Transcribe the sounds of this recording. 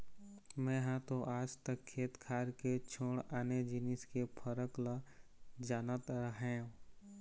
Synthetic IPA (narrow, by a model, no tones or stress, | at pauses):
mɛ̃ɦãt̪oʔaːd͡ʒt̪əkʰːeːt̪kʰaːɾket͡ʃʰoːɽaːned͡ʒɪnɪskepʰəɾəkləd͡ʒaːnət̪ɾəɦeɦũː